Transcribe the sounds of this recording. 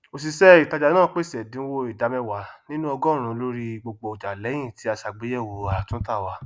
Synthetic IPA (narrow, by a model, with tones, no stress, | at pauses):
o˧s̬i˧sɛ˦i˨ta˧d͡ʒa˨nãː˦˨˦k͡pe˦˨sɛ˨dĩ˨˦wo˧i˨da˨˦mɛ̃˧wa˨nĩ˦nũ˦ɔ˧ɡɔ̃˦˨ɾ̃ũ˨˧lo˦ɾi˧ɡ͡bo˧ɡ͡bo˧o˨d͡ʒa˨lɛ˨˦j̃ĩ˦˨ti˨˦a˧ʃa˨ɡ͡be˨˦jɛ˦˨wo˨a˨tũ˦ta˦˨wa˧